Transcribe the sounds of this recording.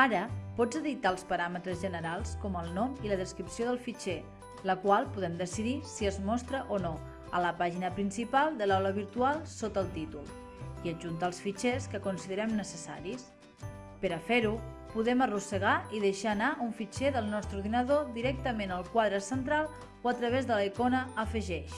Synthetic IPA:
aɾəpɔd͡zəðit̪aəlˠspəɾamət̪ɾəzʒənəɾalˠskɔməlˠnɔmiləðəskɾipsioðəlˠfit͡ʃɛ | ləkwalˠpuðɛmd̪əsiðisiəzmɔst̪ɾəʔono | ə̰ləpaʒinəpɾinsipalˠd̪əlawləβ̞iɾt̪ualˠsot̪əlˠt̪it̪ulˠ | iəʒunt̪aəlˠsfit͡ʃɛskəkunsiðəɾɛmnəsəsa̰ɾis | pəɾəfeɾupuðɛmərusəɣaiðəʃaːnaʔuɱfit͡ʃɛðəlˠnɔst̪ɾuɾðinəðod̪iɾɛk̚t̪əmenəlˠkwaðɾəsənt̪ɾalˠ | oət̪ɾəβ̞ezðələikonəːfəʒɛʃ

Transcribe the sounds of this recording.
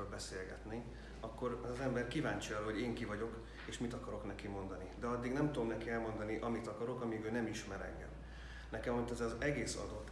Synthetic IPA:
ølbɛseːlɡɛ̰t̪neː | ɒkːo̞ɾzɛmbɛrkivaːɲt͡ʃiɒroɦo̞ɟeːŋkivɒɟo̞k | eːʃmit̪ɒkɒɾo̞knɛkimo̞nd̪ɒnid̪ɛɒd̪ːiɡnɛmt̪ud̪omnɛkiɛlmo̞nd̪ɒniʔɒmit̪ɒkɒɾo̞kɒmiɡøːnɛmiʃmɛɾɛ̰ŋɡɛ̰m | nɛkɛmɒhot̪ːɛzɛzɛɡeːsɒ̰d̪o̞t̪ː

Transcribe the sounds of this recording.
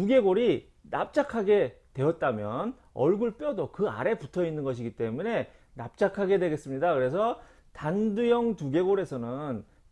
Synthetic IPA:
tuɡe̞ɡoɾi | na̰p̚t͡ɕ͈akʰaɡe̞twe̞ʌt̚t͈amjʌn | ʌ̰ɭɡuɭp͈jʌdokɯa̰ɾe̞putʰʌinːɯnɡʌɕ̬ʰiɡit͈e̞mune̞ | nap̚t͡ɕ͈akʰaɡe̞dwe̞ɡe̞s͈ɯmɲidakɯɾe̞sʰʌ | tandɯjʌŋtuɡe̞ɡoɾe̞sʰʌnɯn

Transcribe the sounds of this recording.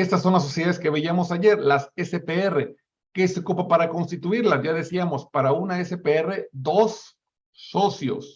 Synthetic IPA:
e̞st̪as̬ːo̞nlas̬ːo̞sjeaðeske̞βeiamo̞saʝe̞ɾlasesepeere̞ | keseokupapaɾako̞nst̪it̪uiɾlasʝaðesiamo̞spaɾaunaesepeere̞ðo̞sː | o̞sjo̞̰s

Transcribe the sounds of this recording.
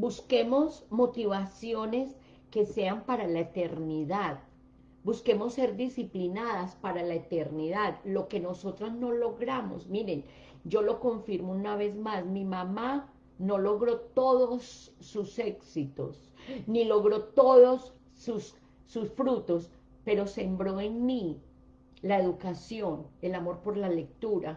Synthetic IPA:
buske̞mo̞smo̞t̪iβasjo̞ne̞s | ke̞se̞ampaɾalaet̪e̞ɾniðað | buske̞mo̞sːe̞ɾd̪isiplinaðaspaɾalaet̪e̞ɾniðaðlo̞ke̞no̞so̞t̪ɾazno̞lo̞ɣɾamo̞̰smiɾe̞n | d͡ʒo̞lo̞ko̞ɱfiɾmounaβe̞zmasmimama | no̞lo̞ɣɾo̞t̪o̞ðosːuse̞ksit̪o̞̰s | nilo̞ɣɾo̞t̪o̞ðo̞sː | usː | usfɾut̪o̞s | pe̞ɾo̞se̞mbɾo̞enmi | lae̞ðukasjo̞ne̞lamo̞ɾpo̞ɾlale̞k̚t̪uɾa

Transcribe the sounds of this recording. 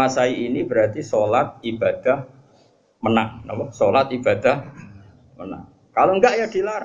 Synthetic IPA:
asaiʔinib̥əɾat̪isolat̪̚ib̥a̤d̪̥a̤h | mənaŋnabɔsolat̪̚ib̥a̤d̪̥a̤h | məna̰ŋ | kaloŋɡaʔjad̪̥i̤laɾ

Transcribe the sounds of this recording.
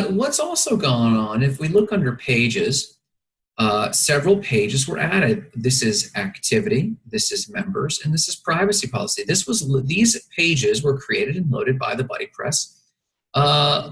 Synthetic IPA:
wʌtsɔlˠsoʊɡɔ̃nə̃nɨfwilʊkʌ̃ndə˞pʰeɪd͡ʒɪz̥ | ʌsɛvɹl̩ˠpʰeɪd͡ʒɨzwə̰˞ʔæɾɪd̪̚ðɪsɪzæk̚tʰɪvɨɾiðɪsɨzmɛ̃mbə̰˞z̥ɨ̃nðɪsɨz̥pʰɹ̥aɪvɨsipʰɑ̰lˠəsiðɪswʌzðiz̥pʰeɪd͡ʒɪzwə˞kʰɹ̥ieɪɾɨɾɨ̃n̩loʊɾɨd̚ba̰ɪðɨbɑ̰ɾipʰɹ̥ɛ̰s | ʌ

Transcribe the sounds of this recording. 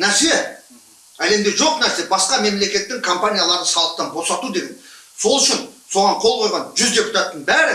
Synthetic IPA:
næɾse̞ | æle̞md̪e̞ʒo̞qnæɾse̞bɑsqɑme̞mle̞kʲe̞t̪ːɪŋkʰompanʲijalˠɑɾd̪əsɑlˠəq̚t̪ɑnbo̞sɑt̪ud̪e̞ɡʲe̞nso̞lˠʏʃɪnso̞ʁɑɴqʰo̞lˠqʰo̞jʁɑnʒʏzd̪ʲe̞pu̥t̪ɑt̪ːəɴbæɾɪ

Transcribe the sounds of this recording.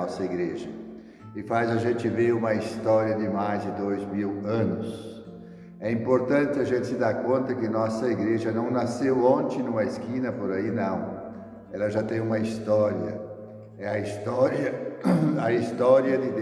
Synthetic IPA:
ɔsɐiɡɾeʒɐ | ɪfazɐʒẽnt͡ʃ̪ɪveũmɐist̪ɔɾiɐd̪ɪmajzd̪ɪd̪ojzmiwɐ̃nʊs | ɛĩmpoɾt̪ɐ̃t̪ɪɐʒẽnt̪ɪ̥sɪd̪aɾkõnt̪ɐkɪnɔsɐiɡɾeʒɐnɐ̃w̃nasewõnt͡ʃ̪ɪ̃nũmɐeskĩnɐpoɾainɐ̃w̃ | ɛlɐʒat̪ẽj̃ũmɐist̪ɔɾiɐ̰ | ɛɐist̪ɔɾjɐ | ɐist̪ɔɾiɐd̪ɪd̪

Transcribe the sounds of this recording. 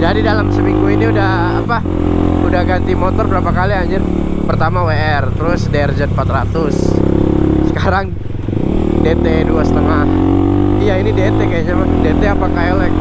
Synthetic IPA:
d͡ʒadidalamsəmiŋɡuiniudah | apa | udahɡant̪imot̪ɔrbəɾapakaliaɲɪr | pərt̪amaweɛrt̪əɾʊsdeɛrd͡ʒən̚pat̪ɾat̪ʊs | sə̥kaɾaŋ | det̪eduasə̥t̪əŋahijainidet̪ekajaɲamahdet̪eapakajalak

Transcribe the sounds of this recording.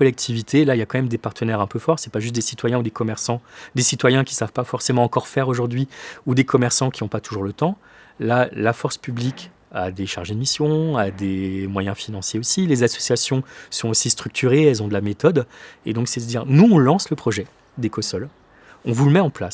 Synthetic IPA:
kɔlɛk̚t̪ʰivit̪ʰelailjakɑ̃mɛmd̪epaʁt̪ʰənɛʁɛ̃pøfɔʁsɛpaʒyst̪̚d̪esit̪wajɛ̃ud̪ekɔmɛʁsɑ̃d̪esit̪wajɛ̃kʲi̥savpafɔʁsemɑ̃ːkɔʁfɛʁoʒuʁd̪ɥiud̪ekʰɔmɛʁsɑ̃kʲiɔ̃pat̪uʒuʁlət̪ɑ̃ | lalafɔʁspyblikʲ | ad̪eʃaʁʒed̪əmisjɔ̃ad̪emwajɛ̃finɑ̃sjeosilezasɔ̥sjasjɔ̃sɔ̃osist̪χyk̚t̪ʰyʁeɛlzɔ̃d̪əlamet̪ɔd̪ed̪ɔ̃ksɛd̪əd̪iʁnuɔ̃lɑ̃sləpχɔʒɛ | d̪ekɔsɔl | ɔ̃vuləmɛɑ̃plas

